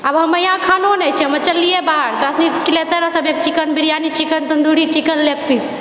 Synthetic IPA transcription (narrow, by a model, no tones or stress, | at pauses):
abɦəməjãkʰanonɛt͡ʃʰɛɦəməɾt͡ʃəlːiebaɦəɽd͡ʒasnikilet̪əɾəsəbek̚t͡ʃikənbiɾijanit͡ʃikənt̪ənd̪uɽit͡ʃikənlek̚ʰpis